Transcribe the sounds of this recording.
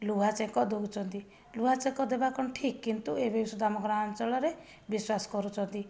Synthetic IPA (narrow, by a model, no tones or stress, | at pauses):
luat͡ʃekɔd̪out͡ʃʰɔnt̪i | luɦat͡ʃekɔd̪ebakɔɳʈʰikːint̪uebesud̪ʱamɔkɔɾɔant͡ʃɔɭɔɾe | biswasɔ̥kɔɾut͡ʃʰɔnt̪i